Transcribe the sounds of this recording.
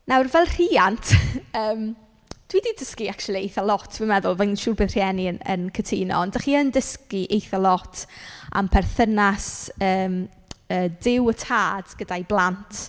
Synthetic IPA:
nawrvɛlˠr̥iːantʰəːm | d̥wiːdiːdəskiak̚t͡ʃulˠiejθɔlˠɔtʰvimɛðʊlˠvənʃuːrbɨːðr̥jɛniənə̰nkʰətʰiːnɔ̰ndaχiːəndəskiʔejθɔlˠɔtʰa̰mpʰɛrθənasəːm | əːdɪwətʰaːd̥ɡ̥ədajblˠantʰ

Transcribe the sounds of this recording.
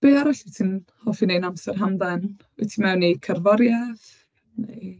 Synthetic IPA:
b̥eːaɾaɬitʰinhɔfinejnamsɛrɦamðɛn | ɪ̰tʰimɛwnːejkʰərvɔɾjað | nej

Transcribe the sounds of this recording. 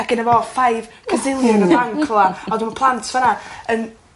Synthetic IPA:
aɡ̥ɪnavɔfajvkʰədɪlˠjɔnəawnkʰlˠaɔdəmapʰlˠantʰv̥anaən

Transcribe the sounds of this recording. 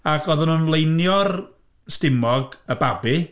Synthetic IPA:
aɡɔðənunlˠejnjɔr | stɪmɔɡəbabi

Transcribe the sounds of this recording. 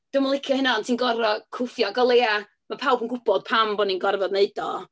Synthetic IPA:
d̥ʊmɔlˠɪkʰjɔhɪnantʰiːnɡɔɾɔkʰʊfjɔɡɔlˠeːa | mapʰawbənɡʊb̥ɔd̥̚pʰambɔninɡɔrvɔdneɨdɔ

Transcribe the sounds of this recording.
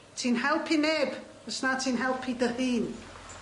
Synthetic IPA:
tʰinhɛlˠpʰinɛb | əsnatʰinɦɛlˠpʰidəhiːn

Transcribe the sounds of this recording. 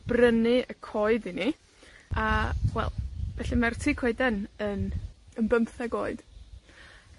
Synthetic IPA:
b̥rənɨəkʰɔɨdini | awɛ̰lˠvɛɬimartʰikʰɔɨdɛnənənbəmθɛɡoːɨd̥

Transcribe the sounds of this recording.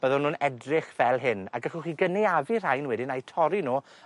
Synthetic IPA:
b̥əðɔnuːnɛdrɪχvɛlˠɦɪna̰ɡəχʊχiːɡənɛavir̥ajnwɛdɪnajtʰɔɾinuː

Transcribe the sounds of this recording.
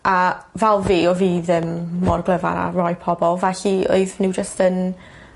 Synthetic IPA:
ʔavɛlˠviːɔviːðɪmːɔrɡlˠəva̰ɾa̰rɔɨpʰɔbɔlˠvɛɬio̰ɨðnuwd͡ʒəstən

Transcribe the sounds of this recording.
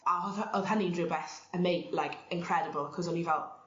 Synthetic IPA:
aəð̥ɦənĩndɹubɛθəmeɪlajkʰɪ̃nkʰɹ̥ɛdəbəlˠkʰɔzɔnivɛlˠ

